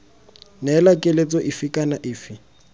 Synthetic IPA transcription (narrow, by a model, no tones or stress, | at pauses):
nɛlakʼɪlet͡sʼɔʔɪfɪkʼanaʔɪːfɪ